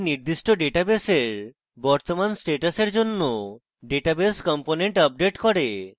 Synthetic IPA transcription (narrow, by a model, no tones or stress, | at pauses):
niɾd̪iʃʈoɖeʈabeseɾ | bɔɾt̪omansʈeʈaseɾd͡ʑonːo | ɖeʈabeskɔmponeɳʈəb̚ɖeʈkɔɾe